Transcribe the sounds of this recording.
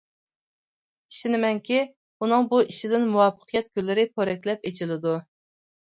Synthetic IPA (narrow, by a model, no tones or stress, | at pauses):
iʃinɪmɛŋkʲʰi | unɨŋbuiʃid̪ɪnmuwɑfə̥qʰjɛt̪̚ɡʲølːɪɾɪpʰoɾɛk̚ʲlɛp̚et͡ʃʰilɪd̪u